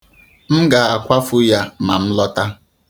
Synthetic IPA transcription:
m̩˦ɡa˨a˨kʷa˦fʊ˦ja˦ma˨m̩˦lɔ˦ta˦

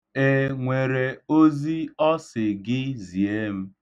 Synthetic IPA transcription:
e˦ŋʷe˨ɾe˨o˦zi˦ɔ˦sɪ˨ɡɪ˦zi˨e˦m̩˦

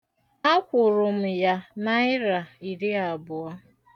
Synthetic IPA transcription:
a˦kʷʊ˨ɾʊ˨m̩˨ja˦na˦ɪ˦ɾa˨i˨ɾi˦a˨bʊ˨a˦

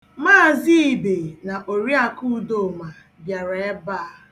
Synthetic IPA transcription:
maː˦˨zi˦i˨be˨na˨ʔo˨ɾi˦a˨ku˦do˦˨ma˨ | bja˨ɾa˨e˦baː˦˨

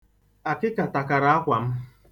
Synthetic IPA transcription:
a˨kɪ˦ka˨ta˨ka˨ɾa˨˦a˦kʷa˨m̩˦

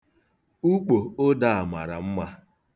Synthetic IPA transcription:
u˦k͡po˨o˦da˦a˨ma˨ɾa̰˨m̩˦ma˦

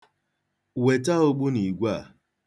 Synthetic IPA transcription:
we˨ta˦o˦ɡ͡bu˦ni˨ɡʷa˦˨

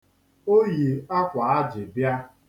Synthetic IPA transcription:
o˦je˨a˦kʷa˨a˦d͡ʒɪ˨bja˦

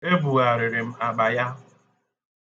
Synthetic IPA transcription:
e˦bu˨ɣa˨ɾɪ˨ɾɪ˨m̩˦a˨ɡ͡ba˨ja˦

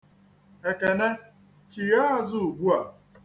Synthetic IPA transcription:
e˨ke˨ne˦ | t͡ʃi˨ja˦zʊ˦u˨ɡʷu˦a˨

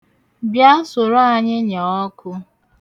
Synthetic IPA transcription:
bja˦sʊ˨ɾo˦a˨ɲɪ˦ɲɔ˨ɔ˦kʰʊ˦

